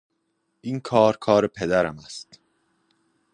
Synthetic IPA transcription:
ʔiːnkʰɒːɾkʰɒːɾepʰed̪æɾæmæst̪

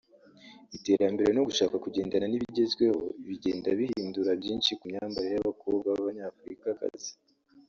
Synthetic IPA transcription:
ite̞ːɾambe̞ɾeno̞ɡuʃaːkakuɟe̞ːndananiβiɟe̞zɡwe̞ho̞̰iβiɟe̞ːndaβihiːnduɾabjiːnʃikumɲaːmbaɾejaβako̞ːbɡaβaβaɲaːfuɾikaka̰zi̥

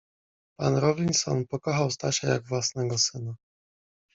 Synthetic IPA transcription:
panɾɔvʲinsɔ̰npɔkɔxawst̪aɕaja̰ɡvwasnɛɡɔsɘna

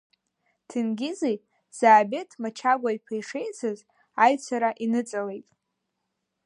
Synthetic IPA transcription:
tʰɨnɡʲɪzej | z̥aːbetʰmat͡ʃʰaɡʷaipʰejʂe̞jt͡sʰɨz | ajt͡sʷʰaɾaʔinɨt͡sʼale̞jtʼ

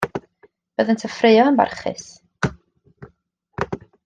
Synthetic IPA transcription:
b̥əːðəntʰəfrejɔənba̰rχɪ̰s

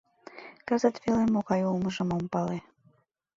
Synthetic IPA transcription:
kɑzət̪βelemoɣɑjulməʒə̆mompɑle

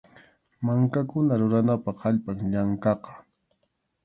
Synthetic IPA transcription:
maŋkakʊnaɾʊɾanapɑχaʎpaŋʎaŋkɑqɑ̥

